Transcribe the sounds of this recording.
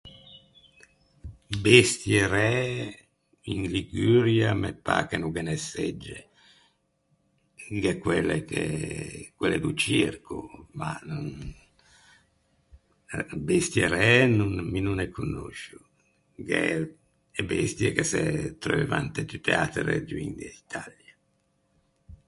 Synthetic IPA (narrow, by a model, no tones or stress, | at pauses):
best̪jeɾɛ | iŋliɡyɾjamepːa̰kenuɡɛnɛsɛd͡ʒːe | ŋɡɛkwelːekḛ | kwɛlːɛ̰d̪ut͡ʃirkuma̰nun | best̪jeɾɛnunminunɛkʰːunːo̰ʃu | ɡɛ̰ | ɛbest̪jɛkesɛt̪ɾoveva̰nt̪et̪yt̪ːeat̪ɾḛd͡ʒ̪uḭnd̪eit̪ʰalja